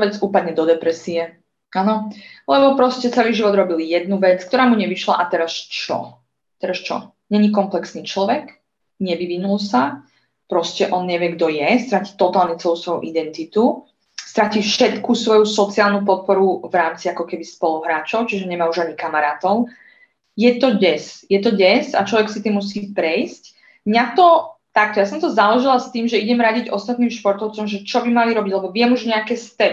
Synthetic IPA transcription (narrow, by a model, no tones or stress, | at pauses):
ʋɛd͡zuːpad̪ɲɛd̪ɔd̪ɛpɾɛsiɛ | ʔanɔlɛbɔpɾɔscɛt͡sɛliːʒiʋɔd̪ɾɔbiljɛd̪nuʋɛt͡sk̚t̪ɔɾaːmuɲɛʋiʃla̰ʔat̪ɛɾast͡ʃɔ̰ | t̪ɛɾast͡ʃɔ̰ | ɲɛɲikɔmplɛksniːt͡ʃlɔʋɛk | ɲɛʋiʋinulˠsa | pɾɔscɛʔɔnɲɛʋɪɛɡd̪ɔjɛst̪ɾacit̪ɔt̪aːlɲɛt͡sɛlusʋɔjṵʔid̪ɛnt̪it̪u | st̪ɾaciːfʃɛt̪kusʋɔjusɔt͡siaːlnupɔt̪̚pɔɾuvɾaːmt͡siakɔkɛbispɔluɦɾaːt͡ʃɔʊt͡ʃiʒɛɲɛmaːuʒaɲikamaɾaːt̪ɔʊ | jɛt̪ɔɟɛsjɛt̪ɔɟɛza̰t͡ʃlɔʋɛksit̪iːmːus̬iːpɾɛjsc | mɲat̪ɔt̪ak̚t̪ɔjasɔ̃mt̪ɔzalɔʒilast̪iːmʒɛiɟɛmɾaɟiɟʔɔst̪at̪niːmʃpɔɾt̪ɔʊt͡sɔmʒɛt͡ʃɔbimaliɾɔbiɟlɛbɔʋɪɛmuʒɲɛakɛːst̪ɛ